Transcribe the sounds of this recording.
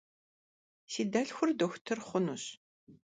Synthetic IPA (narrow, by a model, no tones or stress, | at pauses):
siːdɐɬxʷʊrdoxʷtʰɐrχʷʊnuɕ